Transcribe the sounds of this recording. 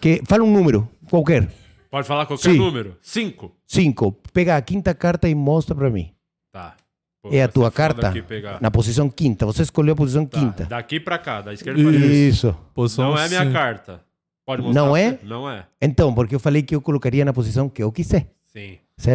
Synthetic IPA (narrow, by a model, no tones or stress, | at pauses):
kɪfalũnũmeɾʊkwawkɛɾ | pɔd͡ʒɪfalaɾkwawsɛiɾ̃nũmeɾʊsĩŋkʊ | sĩŋkʊpɛɣaːkĩnt̪ɐkaɾt̪ɐɪmɔst̪ɾɐpɾɐmḭ̃ | t̪a | poɛɐt̪uɐkaɾt̪ɐipeɡanɐpos̬is̬ɐ̃w̃kĩnt̪ɐvoseeskolʎewɐp̬os̬is̬ɐ̃ŋ̃kĩnt̪ɐ̰d̪akipɾakad̪ɐiskeɾisʊposw̃ɛɐmĩɲɐkaɾt̪ɐ | pɔd͡ʒɪmonɐ̃ɾw̃ɛnɐ̃w̃ɛẽnt̪ɐ̃w̃poɾkɪewfalejkɪewkolokaɾiɐnɐpos̬isɐ̃w̃kɪewkisɛ | sĩ | sɛɾ